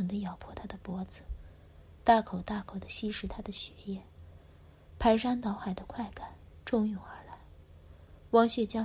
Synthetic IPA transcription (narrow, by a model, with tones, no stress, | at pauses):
d̪ə˦˧jɑ˨˩ʊpʰwɔ˧˥t̪ʰa˥d̪ə˨pwɔ˧˥d͡zɹ̩˨˩ | t̪a˥˩kʰo˨˩ʊt̪a˥˩kʰo˨˩ʊd̪ə˦ɕi˥ʂɻ̩˧˥t̪ʰa˥d̪ə˨ɕɥɛ˧˥jɛ˥˩n | pʰa˧˥ɪʂa˥nt̪ɑ˧˥ʊxa˨˩ɪd̪ə˦kʰwa˥˩ɪka˨˩˦nʈ͡ʂʊ˥˧ŋju˨˩ʊxa˧˥la˧˥˦ɪ | wɑ˧˥ŋɕɥɛ˨˩t͡ɕjɑ˥